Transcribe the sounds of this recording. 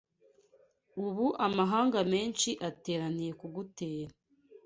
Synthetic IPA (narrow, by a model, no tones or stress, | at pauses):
uβuʔamaɦaːŋɡame̞ːnt͡ʃiʔate̞ːɾanije̞kuɡuteːɾa